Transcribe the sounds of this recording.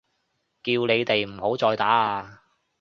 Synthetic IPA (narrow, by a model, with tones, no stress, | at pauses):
kiː˧wne˨˧jt̪e˨jm̩˨˩ho˨˥wt͡sɔː˧jt̪aː˨˥aː˧